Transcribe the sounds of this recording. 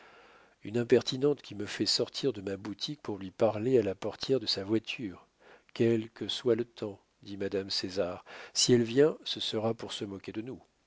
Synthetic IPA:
ynɛ̃pɛʁt̪inɑ̃t̪kʲiməfɛsɔʁt̪ʰiʁd̪əmabut̪ʰik̚puʁlɥipaʁlealapɔʁt̪ʰjɛʁd̪əsavwat̪ʰyːʁ | kʲɛlkəswalət̪ʰɑ̃ | d̪imad̪amsezaʁsiɛlvjɛ̃səsəʁapuʁsəmɔkʲed̪ənu

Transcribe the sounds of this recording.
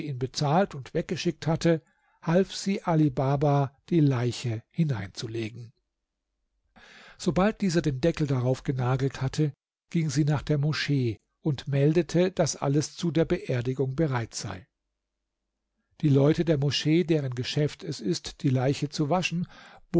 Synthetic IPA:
iːnbət͡saːltʊntv̥ɛk̚ɡ̥əʃɪk̚thatʰə | halfz̥iːʔalibaːbad̥iːlaɪçəhɪnaɪnt͡suleːɡŋ̩ | z̥obalt̚d̥iːzɐdeːndɛkl̩daʁaʊfɡ̥ənaːɡl̩thatʰə | ɡ̥ɪŋziːnaːχd̥eːɐmɔʃeː | ʔʊntmɛldətʰəd̥asʔa̰ləst͡sudeːɐbəʔeːɐdɪɡʊŋbəʁaɪtz̥a̰ɪ | d̥iːlɔʏtədeːɐmɔʃeːdeːʁ̞ənɡəʃɛftʰɛsɪstd̥iːlaɪçət͡suvaʃn̩b̥

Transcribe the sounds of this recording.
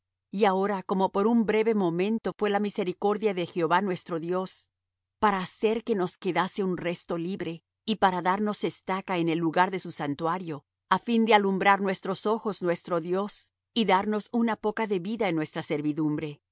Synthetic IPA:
iao̞ɾako̞mo̞po̞ɾumbɾe̞βe̞mo̞mẽ̞nt̪o̞fwe̞lamise̞ɾiko̞ɾðjaðe̞xeo̞βanwe̞st̪ɾo̞ðjo̞s | paɾaːse̞ɾke̞no̞ske̞ðase̞unre̞st̪o̞liβɾe̞ | ipaɾaðaɾno̞se̞st̪akaene̞lːuɣaɾðe̞susant̪waɾjo̞ | afind̪e̞alumbɾaɾnwe̞st̪ɾo̞so̞xo̞znwe̞st̪ɾo̞ðjo̞s | iðaɾno̞sunapo̞kaðe̞βiðaenːwe̞st̪ɾase̞ɾβiðumbɾe̞

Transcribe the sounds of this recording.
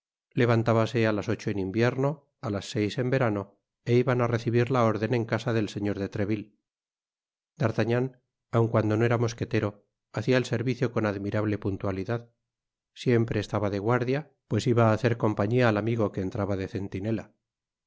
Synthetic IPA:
le̞β̞ant̪aβase̞alasot͡ʃo̞enimbje̞ɾno̞ | alasːe̞jse̞mbe̞ɾano̞ | e̞iβanare̞θiβiɾlao̞ɾðe̞neŋkasaðe̞lse̞ɲo̞ɾðe̞t̪ɾe̞βil | d̪aɾt̪aɲan | awŋkwand̪o̞noe̞ɾamo̞ske̞t̪e̞ɾo̞ | aθiaelse̞ɾβiθjo̞ko̞naðmiɾaβle̞punt̪waliðað | sje̞mpɾe̞ːst̪aβaðeɣwaɾðja | pwe̞siβaːθe̞ɾko̞mpaɲiaːlamiɣo̞ke̞ːnt̪ɾaβaðe̞θe̞nt̪ine̞la

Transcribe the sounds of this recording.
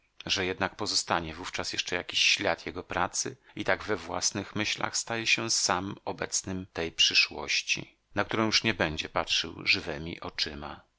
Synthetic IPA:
ʐɛjɛd̪nak̚pɔzɔst̪aɲɛvuft͡ʂasjɛʂt͡ʂɛjakʲiɕːlʲjat̪jɛɡɔpɾat̪sɘ̰it̪aɡvɛvwa̰snɘxmɘɕla̰xst̪ajɛɕɛsamɔbɛt̪snɘmt̪ɛjpʂɘʂwɔ̰ɕt͡ɕḭ | nak̚t̪uɾɔ̃w̃juʂɲɛbɛɲd͡ʑɛpatʂɘ̰wʐɘvɛmʲḭʔɔt͡ʂɘma̰

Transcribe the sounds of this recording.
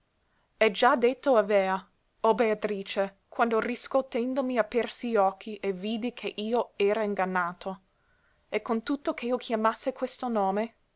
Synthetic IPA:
ɛd͡ʒad̪et̪ːoaveːa | obeat̪ɾiːt͡ʃe | kwand̪oriskot̪ːend̪omiapːɛrsiɔkʰːiʔeviːd̪ikʰeʔiːoɛːɾaiŋɡanːaːt̪ʰo | ekːont̪ut̪ːokʰeiokʰjamasːekwest̪onoːme

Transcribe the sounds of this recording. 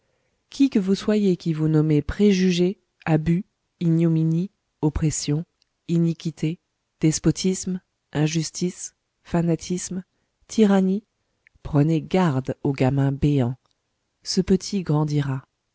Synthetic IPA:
kʲʰikəvuswajekʲivunɔmepχeʒyʒe | aby | injomini | ɔpχesjɔ̃ | inikʲit̪e | d̪̥ɛspɔt̪ʰism | ɛ̃ʒyst̪is | fanat̪ʰism | t̪ʰiʁani | pχəneɡaʁd̪oɡamɛ̃beɑ̃ | səpət̪ʰiɡʁɑ̃d̪iʁa

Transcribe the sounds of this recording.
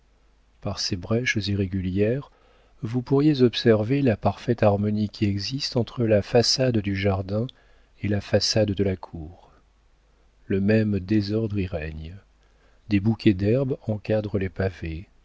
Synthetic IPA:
paʁsebʁɛʃziʁeɡʲyljɛʁ | vupuʁjezɔpsɛʁvelapaʁfɛt̪aʁmɔnikʲʰiɛɡzist̪ɑ̃t̪χəlafasad̪d̪yʒaʁd̪ɛ̃ | elafasad̪d̪əlakʰuːʁ | ləmɛmd̪ezɔʁd̪ʁiʁɛɲ | d̪ebukʲʰɛd̪ɛʁbɑ̃kad̪ʁəlepave

